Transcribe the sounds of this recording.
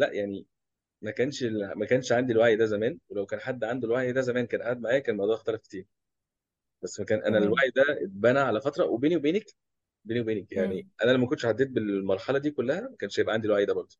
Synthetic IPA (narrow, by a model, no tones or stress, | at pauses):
læʔjaʕni | mækæːnʃlmækæːnʃʕand̪ilwaʕjd̪æzæmæːnwelæwkæːnħad̪ːʕand̪olwaʕjd̪æzæmæːnkæːnʔaʕad̪̚maʕaːjækæːnelmɑd̪ˤuʕext̪ælæfket̪iːɾ | b̥æsːmækæːnʔæ̰nælwaʕid̪æet̪̚bæːnæʕalæfɑt̪ɾˤɑwʔebeːniwebeːnæk | beːniwebeːnækjaʕniʔænælæwmækont̪eʃʕad̪ːeːt̪̚belmɑɾˤħɑlɑd̪iːkolːæhæmækæːnʃjebʔæʕand̪ilwaʕid̪æbɑɾˤd̪ˤo̥